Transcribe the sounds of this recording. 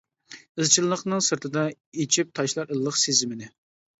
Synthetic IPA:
ɨzt͡ʃʰilˠlˠəχnɨŋsɨɾt̪ʰɨd̪ɑ | et͡ʃʰip̚t̪ʰɑʃlˠɑɾəlˠːəqsezɪmɪnɪ

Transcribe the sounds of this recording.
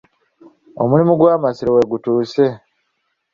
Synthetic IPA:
o̰mulimuɡwaːmasiɾowe̞ɡutuːse̞

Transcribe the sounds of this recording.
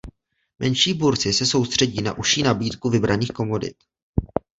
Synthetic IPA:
mʔɛnʃiːbuɾt͡sɪsɛso̞wst̪r̥ɛɟiːna̰ʔuʃiːnabiːt̪kuvɪbɾaniːxko̞mo̞dɪ̰t̪

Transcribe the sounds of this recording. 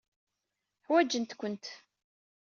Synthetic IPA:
ħwæd͡ʒənt̪kʷənt̪

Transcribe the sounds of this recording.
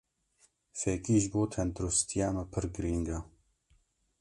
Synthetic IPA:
fɛkiːʒboːt̪ʰɛnd̪ɾust̪ʰijaːmɛpʰɨɾɡɨɾiːŋɡa

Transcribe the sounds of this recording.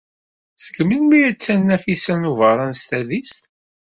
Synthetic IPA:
sə̥kmilmijæt͡sːænːæfisænuvəɾˤɑnst̪æðist̪

